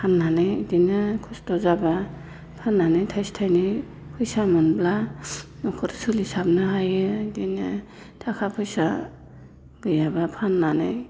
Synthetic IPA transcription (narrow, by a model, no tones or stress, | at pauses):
pʰanːanɯjdinɯkʰustɔzaba | pʰanːanɯjtʰajstʰajnɯ | pʰɯjsamɯnblanɔkʰɔɾsulisabnaɦajɯdinɯ | tʰakʰapʰɯjsa | ɡɯjabapʰanːanɯj